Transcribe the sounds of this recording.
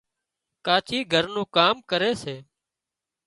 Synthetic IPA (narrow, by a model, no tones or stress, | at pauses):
kaːt͡ʃiːɡʱəɾnũːkaːmkəɾeːseː